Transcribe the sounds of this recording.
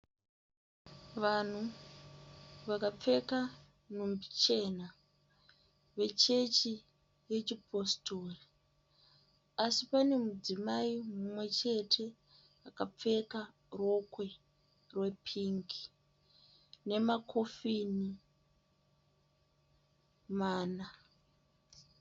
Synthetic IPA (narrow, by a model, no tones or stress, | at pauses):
ʋan̤u | ʋakap͡fe̞ka | n̤umbit͡ʃe̞na | ʋe̞t͡ʃe̞t͡ʃi | je̞t͡ʃipʰo̞stori | asipane̞mud͡zimaimumwe̞t͡ʃe̞tʰe̞ | akap͡fe̞ka | ro̞kwe̞ | rwe̞pʰiŋɡi̥ | ne̞makʰo̞fini | maːna